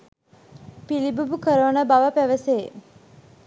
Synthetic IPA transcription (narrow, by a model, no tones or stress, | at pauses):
pilibubukəɾəʋənəbaʋəpæʋəseː